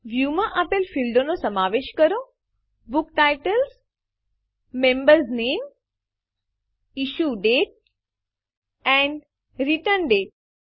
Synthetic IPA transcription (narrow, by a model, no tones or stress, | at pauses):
ʋjumãʔapelfilɖonosəmaʋeʃkəɾo | bʊkʈajʈəls | mẽmbəɾznem | iʃuɖeʈ̚ | ɛ̃ɳɖ | ɾiʈəɾnɖeʈ̚